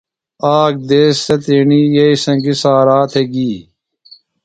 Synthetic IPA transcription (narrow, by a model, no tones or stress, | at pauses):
aːk̚d̪eːsːɐt̪iɳiːjɐisɐ̃ŋɡisaːɾaːt̪ʰeɡiː